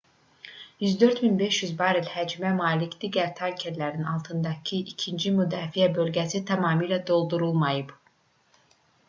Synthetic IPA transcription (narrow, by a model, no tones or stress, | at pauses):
jyzd̪ø̞ɾt̪minbe̞ʃjyzbɑːɾilʲhæd͡ʒmɛmaːlicd̪̥iːɟæɾt̪ʰaɾcʰeɾlæɾinɑlˠt̪ʰɯnd̪ɑcʰiʔicʰind͡ʒimyd̪ɑːfijæbø̞lʲɟæsit̪ʰɑmɑːmɯlʲɛd̪o̞lˠd̪uɾulˠmɑjɯb